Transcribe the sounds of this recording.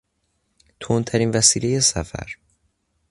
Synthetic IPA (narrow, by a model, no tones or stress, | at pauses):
t̪ʰont̪ʰæɾiːnvæsiːlejesæfæ̰ɾ